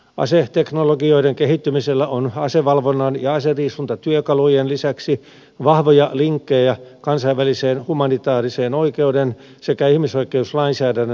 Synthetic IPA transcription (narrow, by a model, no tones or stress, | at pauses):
ɑ̰set̪eknoloɡioideŋkehit̪ːymiselːæʔonɑseʋɑlʋonːɑnjɑɑseriːsunt̪ɑt̪yøkɑlujenlisæksi | ʋɑhʋojɑliŋkːejjɑkɑnsɑiʋːæliseːnhumɑnit̪ɑːriseːnoikeuden | sekæihmisoikˑeuslɑinsæːdænːø